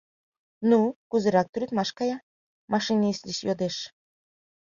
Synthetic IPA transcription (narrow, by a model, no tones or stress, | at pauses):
nukuzeɾɑk̚t̪yɾet̪mɑʃkɑjɑ | mɑʃinislʲiɕjod̪eʃ